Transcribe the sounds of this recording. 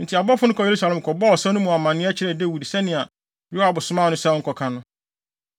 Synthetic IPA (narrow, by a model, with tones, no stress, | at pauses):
n̩˨tʰi˨a˨bɔ˦fʊ˦nʊ̃˦kʰɔ˨je˨ɾu˦sa˨lɛ˨mkʰɔ˨bɔ˦ɔ˨sɛ˦nʊ̃˦mũ˨a˨mã˨nɪ̃˦ɛ˦t͡ɕʰɪ˦ɾɛ˨dɛ˦wu˨di˨sɛ˦nɪ̃˨a˨ | ɾu˦a˨bʊ˨sʊ˨˦mã˦˨nʊ̃˦sɛ˦ɔ˦ŋ̩˦kʰɔ˨kʰã˨nʊ̃˦